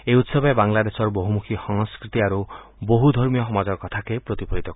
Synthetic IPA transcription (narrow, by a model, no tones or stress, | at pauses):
eut̪sɔbɔbaŋlad̪esɔɾboɦumukʰixɔŋskɾit̪iaɾu | boɦud̪ʱɔɾmijɔxɔmad͡ʒɔɾkɔt̪ʰakepɾot̪ipʰɔɦit̪ɔk